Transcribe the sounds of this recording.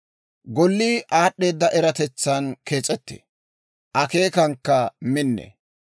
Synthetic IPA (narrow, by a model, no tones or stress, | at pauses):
ɡɔlːiːʔaːɗːe̞ːd̪ːɐʔɛɾɐt̪ɛt͡sːɐnkʰe̞ːt͡sʼɛt̪ːḛ | ʔɐke̞ːkɐŋkːɐmɪnːḛ